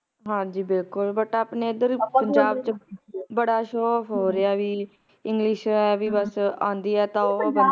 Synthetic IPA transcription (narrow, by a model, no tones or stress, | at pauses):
ɦãːd͡ʒiːbɪlkʊlbəʈaːpneːɪd̪əɾpəɲd͡ʒaːbt͡ʃbəɽaːʃoːfɦoːɾeaːʋiː | ɪŋɡlɪʃɛːʋiːbəsãːnd̪iːɛːt̪ãoːə